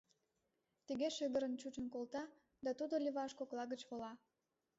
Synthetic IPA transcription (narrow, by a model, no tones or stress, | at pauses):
t̪əɣeʃeɣəɾənt͡ɕut͡ɕənkolt̪ɑ | d̪ɑt̪ud̪olʲiβɑʃkoklɑɣət͡ɕβolɑ